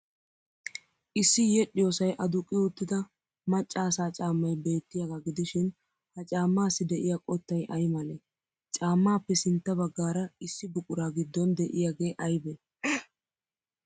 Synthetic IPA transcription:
ʔɪsːɪjɛɗːɪjoːsɐjʔɐd̪ʊkʼːɪʊt̪ːɪd̪ɐ | mɐt͡ʃʼːaːsaːt͡ʃʼaːmːɐjbe̞ːt̪ːɪjaɡaɡɪd̪ɪʃɪn | hɐt͡ʃʼaːmːaːsːɪd̪ɛʔɪjakʼɔt̪ːɐjʔɐjmɐle | t͡ʃʼaːmːaːpːɛsɪnt̪ːɐbɐɡːaːɾɐɪsːɪbʊkʼʊɾaːɡɪd̪ːɔnd̪ɛʔɪjaɡe̞ːʔɐjbɛ

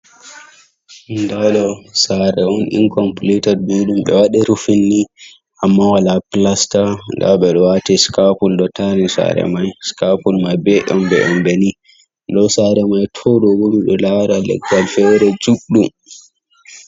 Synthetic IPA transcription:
ndaɗɔsaɾɛɔnʔḭnkɔmplitaduɗumɓɛ̰waɗɛɾufinːi | ʔamːawalaplastanda̰wɓɛɗɔwatiskapulɗɔtanisa̰ɾɛ̰majskapulmajbɛɗɔ̰mbɛ̰ɗɔmbɛni | ɗɔsaɾɛmajtʰɔɗɔbomiɗɔlaɾalɛ̰ɡalfɛwɾɛd͡ʒuɗum

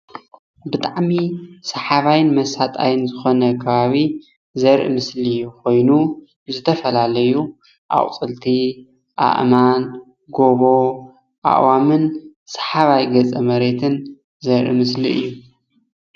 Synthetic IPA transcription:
bɨt̪ʼaʕmisɐħaβajɪnmɐsat̪ʼa̰jɨnzɨxo̞nɐkʰɐβaβi | zɐɾʔɨ̰mɨsliɨjukʰo̞jnu | zɨt̪ʰɐfɐlalɐju | ʔa̰χʼt͡sʼɨlt̪ʰi | ʔa̰ʔman | ɡo̞βo̞ | ʔa̰ʔwamɨn | sɐ̥ħaβajɡɐt͡sʼɐmɐɾe̞t̪ʰɨn | zɐɾʔɨ̰mɨsliɨ̰jːu

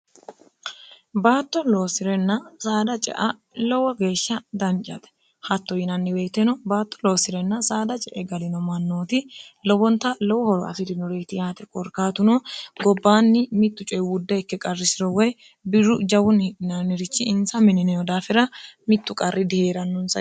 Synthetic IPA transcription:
baːt̪ːɔlo̞ːsɪɾɛnːɐsaːd̪ɐt͡ʃʼɛ̰ʔɐ | lɔwɐɡe̞ːʃːɐd̪ɐnt͡ʃʼːɐ̰t̪ɛ̥ | hɐt̪ːɔjɪnɐnːɪwɛjt̪ːɛnɔbaːt̪ːɔ̥lo̞ːsɪɾɛnːɐsaːd̪ɐt͡ʃʼɛʔɛɡɐlɪnɔmɐnːoːt̪ɪlɔwɔnt̪ɐlɔwɔhɔɾɔɐ̰fɪɾɪnɔɾeːt̪ɪjaːt̪ɛkʼɔɾkaːt̪ʊnoːɡɔbːaːnːɪmɪt̪ːʊt͡ʃʼɔjwʊd̪ːɛɛkːɛkʼɐrːɪsɪɾɔwɔj | bɪɾːʊd͡ʒɐwʊnːhɪᶑɪnanːɪɾɪt͡ʃːɪɪnsɐmɪnɪnɛjɔd̪aːfɪɾɐmɪt̪ːʊkʼɐrːɪd̪ɪheːɾɐnːʊnsɐ

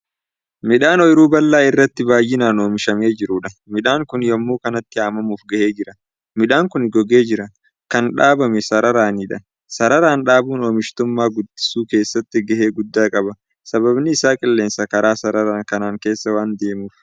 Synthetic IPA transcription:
mɪᶑaːnɔjɪɾuːbɐlːaːɪrːɐt̪ːɪbaːjːɪnaːno̞ːmɪʃɐme̞ːd͡ʒɪɾʊᶑɐmɪᶑaːŋkʊnjɔmːuːkɐnɐt̪ːɪaːmɐmuːfɡɐhe̞ːd͡ʒɪɾɐ | mɪᶑaːŋkʊnɡɔɡe̞ːd͡ʒɪɾɐ | kɐnᶑaːbɐmɛsɐɾɐɾaːniːᶑɐ | sɐɾɐɾaːnᶑaːbuːno̞ːmɪʃt̪ʊmːaːɡʊd̪ːɪ̥suːke̞ːsːɐt̪ːɪɡɐhe̞ːɡʊd̪ːaːkʼɐbɐ | sɐbɐbnɪːsaːkʼɪlːe̞ːnsɐkɐɾaːsɐɾɐɾaːŋkɐnaːŋke̞ːsːɐwaːnd̪e̞ːmuːf

